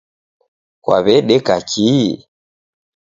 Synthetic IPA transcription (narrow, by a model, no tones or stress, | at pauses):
kwa̰βɛɗɛkakʰi